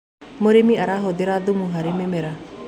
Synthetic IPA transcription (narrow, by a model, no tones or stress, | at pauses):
moɾemiaɾaɦoðeɾaðumuɦaɾememɛɾa